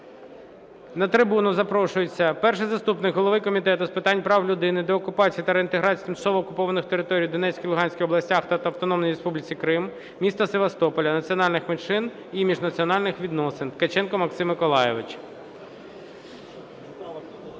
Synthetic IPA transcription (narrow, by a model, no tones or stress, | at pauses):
nɐt̪ɾɪbunʊzɐpɾɔʃʊjet͡sʲːɐpɛrʃɪjzɐst̪upnɪkɦɔlˠɔʋɪkɔmʲit̪ɛt̪ʊspɪt̪ɑnʲpɾɑwlʲʊd̪ɪnɪd̪ɔɔkʊpɑt͡sʲijit̪ɐɾeint̪eɦɾɑt͡sʲi̥jt̪ɪmt͡ʃɐ̥sɔʋɔːkʊpɔʋɐnɪxt̪eɾɪt̪ɔɾʲijd̪ɔnɛt͡sʲkʲijlˠʊɦɑnʲsʲkʲɪxɔblˠɐsʲtʲaxt̪ɑt̪ɐɐʋwt̪ɔnɔmnɔjɾespublʲɪt͡sʲikɾɪm | mʲist̪ɐseʋɐst̪ɔpɔlʲɐnɐt͡sʲiɔnɑlʲnɪxmenʃɪn | imʲiʒnɐt͡sʲiɔnɑlʲnɪxʋʲid̪nɔsɪnket͡ʃɛnkɔmɐksɪmːɪkɔlˠɑjeʋɪt͡ʃ